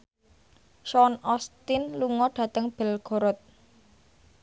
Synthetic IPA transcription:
ʃɔnɔst̪ɪnluŋɔɖ̥ä̤t̪əŋb̥ɛ̤lɡ̥o̤ɾɔt̪̚

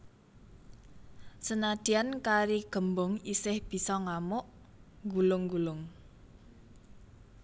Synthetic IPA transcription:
sənad̪̥i̤ankaɾiɡ̥ə̤mbʊŋisɪhb̥i̤sɔŋamʊʔ | ŋɡulʊŋɡulʊŋ

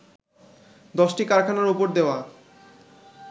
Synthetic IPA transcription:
d̪ɔʃʈikaɾkʰanaɾupoɾd̪eoa

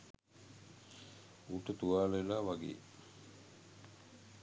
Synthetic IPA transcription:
uʈət̪uʋaːlelaːʋaɡḛː

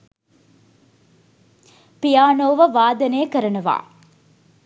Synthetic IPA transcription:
pijaːnoːʋəʋaːd̪ɐneːəkəɾɐnɐʋa̰ː

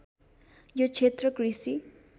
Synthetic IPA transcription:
jot͡sʰet̪rʌkrisi

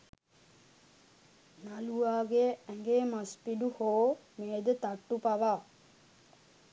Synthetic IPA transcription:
naluaːɡeæŋɡeːmaspiɖuhoːmeːd̪ət̪aʈːupaʋaː

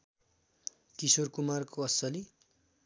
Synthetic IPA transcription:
t̪isorkumarkoʌsʌli

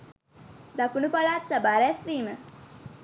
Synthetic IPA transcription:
d̪akunupalaːt̪sabaːɾɛstɾiːmə

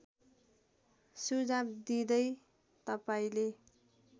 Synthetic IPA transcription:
sud͡zabd̪id̪ʌj | t̪ʌpaĩle

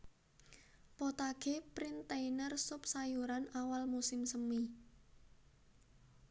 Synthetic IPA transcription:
pɔt̪aɡ̥epɾint̪einərsʊp̚sajuɾanawalmusɪmsəmi

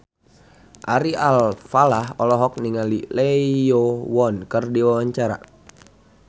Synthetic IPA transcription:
ʔaɾialfalahɔlɔɦɔk̚niŋalilɛiowɔnkərdiwawaɲt͡ʃaɾa̰

